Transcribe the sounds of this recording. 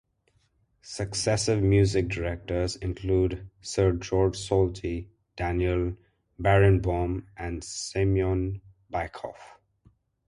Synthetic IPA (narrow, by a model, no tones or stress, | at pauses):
səksɛsɪvmjuːzɪk̚dəɾɛk̚ʈəzɪ̃nkʰluːdsəɾd͡ʒɔːɾd͡ʒsɔːltʰi | d̥ænjəl | bæɹə̃nbɔːmʔæ̃nɖsɪmiɔ̃n | baɪkʰɔ̰f